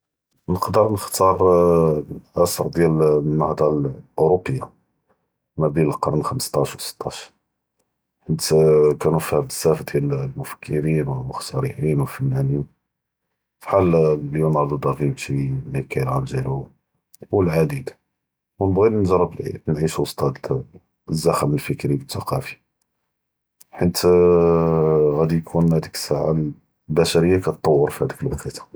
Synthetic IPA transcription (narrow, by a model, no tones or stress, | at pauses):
nəqd̪əɾˤnəxt̪ɑɾˤ | ʔæsəɾˤd̪jælnːɑhd̪ˤɑlʔʊɾopːəjːa | mæbinllqɑɾˤnxəməst̪ˤɑʃwsə̥t̪ˤːɑʃ | ħənkænufhæməsːæfd̪jællmʊfə̥kʰːəɾinwxsɑɾiħinwəlfænːænin | fħalljunʕɑɾˤd̪ˤud̪ɑɣimt̪ilikæjəlʕand̪ælu | wəlʕad̪id̪ | wnbɣinʒɑɾˤəblʕḭnʕiʃwɑst̪ˤɑd̪ | zːæxəməlfəkɾibət̪ːɑqɑfi̥ | ħənt̪ | ɣæd̪ijkʰunhæd̪ikə̥saʕa̰l | bæʃæɾəjːakæt̪ˤːɑwːəɾfihæd̪ikəlwɑqit̪